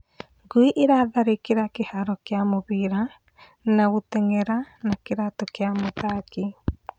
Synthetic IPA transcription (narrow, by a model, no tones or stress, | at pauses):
ŋɡwiʔeɾaðaɾekeɾakehaɾɔkeamoβiɾa | naɣotɛŋɛɾanakeɾatɔkeamot̪aki